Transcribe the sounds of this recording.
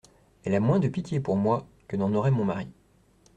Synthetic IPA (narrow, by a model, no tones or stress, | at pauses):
ɛlamwɛ̃d̪əpit̪jepuʁmwakənɑ̃nɔʁɛmɔ̃maʁi